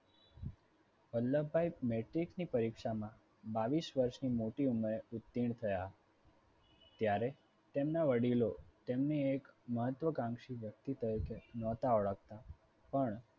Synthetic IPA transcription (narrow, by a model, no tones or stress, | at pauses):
ʋəlːəbʱajmeʈɾiksnipəɾikʃamã | baʋisʋəɾʃnimoʈiumɾeʊt̪ːiɳ̃t̪ʰəja | t̪jaɾe | t̪emnaʋəɽilot̪emneekməɦət̪ʋəkãŋɡʃiʋjək̚t̪it̪əɾikenɔt̪aəɭək̚t̪a | pəɳ